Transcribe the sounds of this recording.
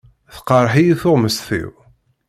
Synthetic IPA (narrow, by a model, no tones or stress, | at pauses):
θqəɾˤħijiθʊʁməsθḭw